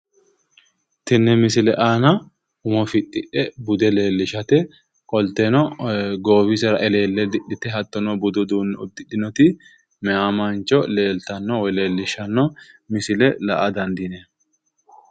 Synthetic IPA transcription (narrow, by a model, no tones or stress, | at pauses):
t̪ɪnːɛmɪsɪlɛʔaːnɐ | ʊmɔfɪtʼːɪ̰ᶑɛbʊd̪ɛle̞ːlːɪʃɐt̪ɛ | kʼɔlt̪ɛnɔɡoːbɪsɛɾɐʔɛle̞ːlːɛd̪ɪᶑɪt̪ɛɦɐt̪ːɔnɔbʊd̪ɔd̪uːnːɛʊd̪ːɪᶑɪnɔt̪ɪ | mɛaːmant͡ʃɔle̞ːlt̪ɐnːɔwɛle̞ːlːɪʃɐnːɔmɪsɪlɛlɐ̰ʔɐd̪ɐnd̪ɪnɛ